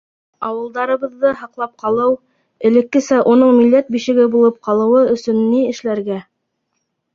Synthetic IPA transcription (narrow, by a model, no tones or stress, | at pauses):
ɑwɤ̆lˠd̪ɑɾɤ̆βɤ̆ðːɤɦɑqlˠɑp̚qɑlˠɤw | ɘ̆lɘ̆kːɘ̆sæʔunɤɴmilːæt̪̚biʃɘ̆ɡɘbulˠɤp̚qɑlˠɤ̆wɤɵ̆sɵnːiɘ̆ʃlæɾɡæ